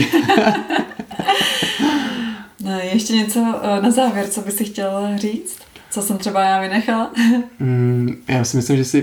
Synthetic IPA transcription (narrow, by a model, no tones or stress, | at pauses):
nɛjɛʃcɛɲɛt͡so̞nazaːvjɛɾt͡sobɪsɪxcɛlriːt͡st̪t͡sosɛmt̪r̥ɛbajaːvɪnɛxal̩ | jaːsɪmɪslimʒɛsɪ